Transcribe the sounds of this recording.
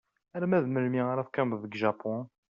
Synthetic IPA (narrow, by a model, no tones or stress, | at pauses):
æɾmæðməlmiaɾæfkæmbðəɡʒɑpʰɔ̃